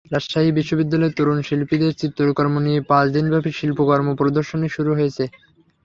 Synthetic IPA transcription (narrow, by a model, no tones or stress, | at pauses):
ɾaʃʃaɦibiʃːobid̪ːalɔet̪oɾunʃilpid̪eɾt͡ɕit̪ːɾoɾkɔɾmoniepãt͡ɕd̪inbʱabiʃilpokɔɾmopɾod̪oɾʃoneʃuɾuɦojet͡ɕʰe